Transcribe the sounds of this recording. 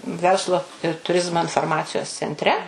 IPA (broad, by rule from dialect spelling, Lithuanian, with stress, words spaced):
ˈʋʲɛrslˠʊ ɪr tʊˈrʲɪzmoː ɪnfoːrˈmɑːt͡sʲɪjoːs t͡sʲɛnʲˈtʲrʲɛ